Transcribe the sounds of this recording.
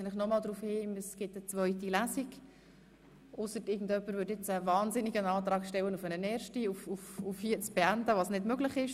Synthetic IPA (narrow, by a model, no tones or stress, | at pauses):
ləχnɔmɑːld̪ɾufhɪːməsɡ̥ɪtət͡svœʏtilæsiɡ | ʔʊsətɪɡn̩dœpːəɾvʏːtɪt͡səvɑːnzɪniɡənɑːtɾɑːkʃtɛwənufənənɛːɾʃtiufufufhiːət͡sb̥ɛændəʋɑsnɪdmøɡlɪχɪʃ